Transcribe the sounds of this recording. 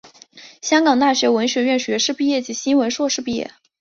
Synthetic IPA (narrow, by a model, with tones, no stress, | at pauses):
ɕjɑ˥ŋkɑ˨˩ŋt̪a˥˩ɕɥɛ˧˥wə˧˥nɕɥɛ˧˥ɥɛ˥˩nɕɥɛ˧˥ʂɻ̩˥˧pi˥˧jɛ˥˩t͡ɕi˧˥ɕi˥nwə˧˥nʂwɔ˥˧ʂɻ̩˥˧pi˥˧jɛ̰˥˩